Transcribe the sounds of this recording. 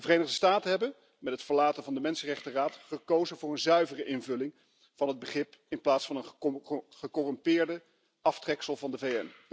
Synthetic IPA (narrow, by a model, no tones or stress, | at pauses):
dəvərejnəχdəstaːtənɦɛbən | mɛtɦətfəɹlaːtənvɑndəmɛnsərɛχtəraːtχəkowzənvʊːrənzœɥvərəʔɪnvɵlɪŋ | v̥ɑnɦəd̚bəχɪpɪnplaːtsfɑnənχəkɔrɔmpɪːɹdə | ɑftrɛksəlˠvɑndəvejɛn